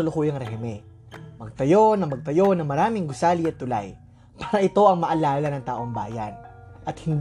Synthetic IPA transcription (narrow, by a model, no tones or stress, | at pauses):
ʊlʊkuːjɐŋɾɛɦɛmɛ | mɐɡ̚t̪ɐjo̞nɐŋmɐɡ̚t̪ɐjo̞nɐŋmɐɾaːmɪŋɡʊsaːliɐt̪ːʊla̰j | paːɾɐʔɪt̪o̞ʔɐŋmɐʔɐlaːlɐnɐŋt̪a̰ːʔo̞ŋba̰ːjɐ̰n | ʔɐt̪hɪnd̪